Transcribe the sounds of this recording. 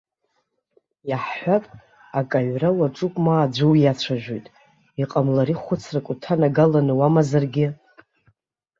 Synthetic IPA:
jaħħʷapʼ | akʼaɥrawaʈ͡ʂʼupʼmaːd͡ʒʷɨwjat͡ɕʷʰaʒᶣejtʼ | iqʼamlaɾiχʷʊt͡sʰrakʷʼʊtʰanaɡalanɨwamazarɡʲɪ

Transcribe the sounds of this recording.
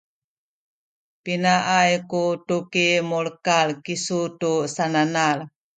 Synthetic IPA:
pinaʔajkutukimulkalkisutusananal

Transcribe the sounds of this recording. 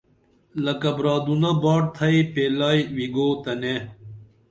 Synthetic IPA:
lɐkɐbɾaːd̪unɐbaːʈ̚t̪ʰɐipeːlaːjwiɡoːt̪ɐne

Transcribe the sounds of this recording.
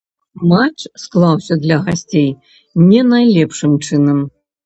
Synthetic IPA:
mat͡ʂsklˠawsʲɐd̪lʲɐɣasʲt͡sʲej | nʲɛnajlʲɛpʂɨmt͡ʂɨnɐm

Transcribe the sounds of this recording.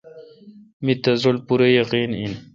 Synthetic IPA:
mit̪ɐzolpuɾejɐqiːnḭn

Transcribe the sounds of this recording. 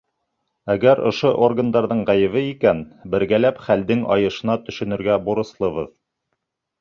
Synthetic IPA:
æɡæɾŏ̰ʃoʔorɡənd̪ɑɾðɤɴʁæjɘ̆βɘikænbɘ̆ɾɡælæpχæld̪ɘŋɑ̰jɤ̆ʃɤ̆nɑt̪ɵ̆ʃɵ̆nɵ̆ɾɡæbuɾɤ̆slˠɤ̆βɤð

